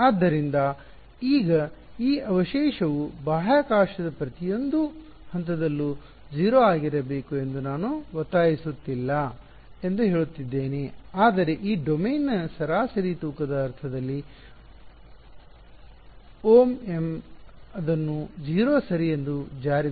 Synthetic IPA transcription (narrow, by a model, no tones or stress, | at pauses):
aːd̪ːɐɾind̪ɐ | iːɡɐ | iːʔɐʋɐʃɛːʃɐʋubaːɦaːkaːʃɐd̪ɐpɾɐt̪ijo̞nd̪u | hɐnt̪ɐd̪ɐlːu | d͡ʒiːɾoːaːɡiɾɐbe̞ːkue̞nd̪unaːnuʋɐt̪ːaːjisut̪ːilːɐ | e̞nd̪uɦeːɭut̪ːid̪ːe̞ːneaːd̪ɐɾe̞ʔiːɖomeːnːɐsɐɾaːsɐɾit̪uːkɐd̪ɐːɾt̪ʰɐd̪ɐlːi | oːme̞mɐd̪ɐnːud͡ʒiːɾoːsɐɾije̞nd̪ud͡ʒaːɾi